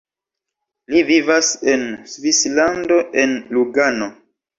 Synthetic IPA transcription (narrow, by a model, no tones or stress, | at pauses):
livivase̞nsvislando̞ʔe̞nluɡano̞